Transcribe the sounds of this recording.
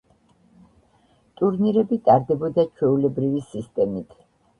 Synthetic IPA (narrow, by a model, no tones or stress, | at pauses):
t̪ʼuɾniɾɛbit̪ʼaɾd̪ɛbɔd̪at͡ʃʰwɛulɛbɾivisist̪ʼɛmit̪ʰ